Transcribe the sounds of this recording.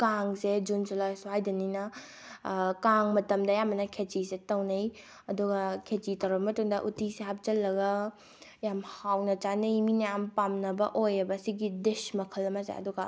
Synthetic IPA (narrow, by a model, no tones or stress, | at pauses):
kaŋsed͡ʒunsulajsuhajdɐninɐ | kaŋmɐtɐmdɐjamɐnɐkʰet͡ʃisetɐwnɐj | ɐduɡɐkʰet͡ʃitɐwɾɐmɐtuŋdɐʔutiseɦap̚t͡ʃɐlːɐɡɐ | jamhawnɐt͡ʃanɐjminɐjampamnɐbɐ̰ʔojɐbɐːsiɡidesmɐkʰɐlːɐmɐzḛɐ̰duɡɐ